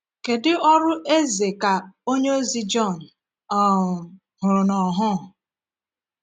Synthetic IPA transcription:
ke˨dɪ˦ɔ˦ɾʊ˦ʔe˦ze˨ka˨o˦ɲe˦o˦zi˦d͡ʒɔ˦˨n̩˨ | ɔ˦˨ | ɦʊ˨ɾʊ˨nɔ˨ɦʊ˦˨

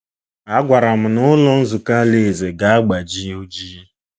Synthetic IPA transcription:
a˦ɡʷa˨ɾa˨m̩˨nʊ˦lɔ˦n̩˦zu˨ka˦le˦˨ze˨ɡa˨a˦ɡ͡ba˨d͡ʒi˦o˦d͡ʒi˦

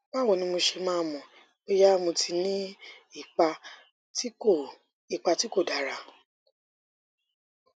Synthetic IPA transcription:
k͡pa˦˨w̃ɔ̃˨nĩ˧˦mo˧ʃe˧mãː˦˧mɔ̃˨ | e˦ja˦mõ˧tʰi˧nĩ˦i˦˨k͡pa˧ | ti˦o˦˨ | i˨k͡pa˧ti˦ko˦˨da˨ɾa˧˨

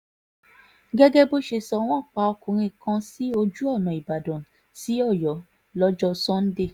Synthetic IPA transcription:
ɡɛ˦ɡɛ˦bo˦ʃe˧sɔ˧w̃ɔ̃˦˨k͡pa˧ɔ˧kũ˨ɾ̃ĩ˧kã˧si˦o˧d͡ʒu˦ɔ˦˨nã˨i˨ba˨dɔ̃˨ | si˨˦ɔ˦˨jɔ˨˦ | lɔ˦d͡ʒɔ˧sɔ̃˦n̩˦de˦˨

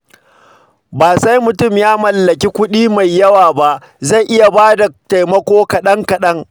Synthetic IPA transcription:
baː˨sa˦jmʊ˨tʊ˦˨mjaː˦mɐ˨lːɐ˨kʲi˦kʷʊ˦ɗiː˦ma˨jːɐ˦waː˨ba˦ʔ | za˦˨jʔɪ˦ja˨baː˦da˨ta˨jmɐ˦kʷoː˦kɐ˨ɗɐ˦ŋkɐ˨ɗɐ˦ŋ

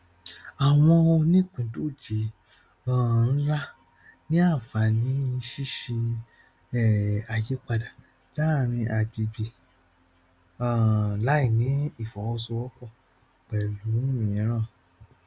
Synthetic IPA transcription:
a˨w̃ɔ̃˧o˧nĩ˦˨k͡pĩ˨˦to˦˨d͡ʒe˨˦ | ã˦˨n̩˦la˦ | nĩ˦a˦˨fa˨nĩ˨˦ʃi˦ʃi˧ | ɛ˦˨a˨je˨˦k͡pa˧da˨ | la˦˨ɾ̃ĩ˧ʔa˨d͡ʒi˨bi˨ | ã˨la˨˦i˦˨nĩ˨˦i˨fɔ˨wɔ˧so˧wɔ˦k͡pɔ˦˨ | k͡pɛ˨lu˨˦nũ˦mĩ˨˦ɾ̃ã˦˨

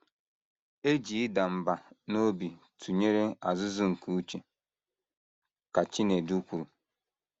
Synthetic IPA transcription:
e˦d͡ʒi˨ɪ˦da˨m̩˨ba˨no˦bi˨ | tʰu˨ɲe˦ɾe˦a̰˨zʊ˦zʊ˦ŋ̩˨ku˨˦u˦t͡ʃe˨ | ka˨t͡ʃi˦ne˨du˦kʷu˨ɾu˨

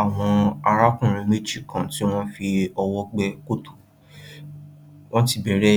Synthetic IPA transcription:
a˨w̃ɔ̃˧a˧ɾa˦kũ˦˨ɾ̃ĩ˧me˦d͡ʒi˦˨kʰã˨ti˦w̃ɔ̃˦fi˧ɔ˧wɔ˦ɡ͡bɛ˦ko˦to̥˨ | w̃ɔ̃˦ti˦˨bɛ˨ɾɛ˦

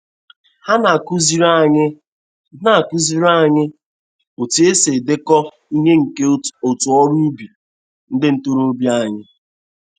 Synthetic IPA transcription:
ha˦na˨ku˦zi˦ɾa˦ɲɪ˦ | na˨a˨ku˦zi˦ɾa˦˨ɲɪ˦ | o˨ti˨˦e˦se˨de˦kɔ˦ | i˦ɦe˦ŋ̩˨ke˦o˨tu˨ɔ˦ɾu˦bi˨ | n̩˦dɪ˦n̩˦tu˦ɾo˦bja˦˨ɲɪ˦

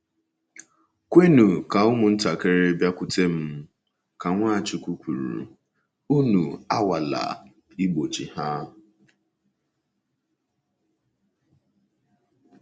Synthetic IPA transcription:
kʷe˦nu˨ka˨ʊ˦mʊ˨n̩˦ta˨ke˦ɾe˦bja˦kʷʊ˨te˦m̩˦ | ka˨ŋʷaː˦˨t͡ʃi˨kʷu˦kʷu˨ɾṵ˨ | u˦nu˨a˦wa˨la̰˨ | i˦ɡ͡bo˨t͡ʃi˨ha˦

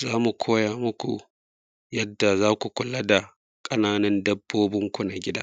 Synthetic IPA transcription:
zaː˦mu˨kʷʰoː˦jaː˨mʊ˦kʷṵ˨ | jɐ˦dːa˨zaː˦kʷu˨kʷʊ˨la˦da˨ | kʼɐ˦naː˦nɐ˦ndɐ˦bːoː˦bɪ˦ŋkʷu˨na˨ɡʲɪ˦da̰ː˦

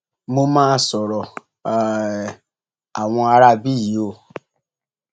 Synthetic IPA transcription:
mo˧mãː˦sɔ˨ɾɔ˨ | a˨w̃ɔ̃˧a˧ɾa˦bi˦˨ji˨˦o˦˧˨

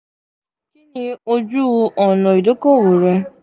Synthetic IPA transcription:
ki˦ni˦o˦d͡ʒu˦˧˦ɔ˨nɔ˨i˨do˦ko˦˨wu˨ɾe˧

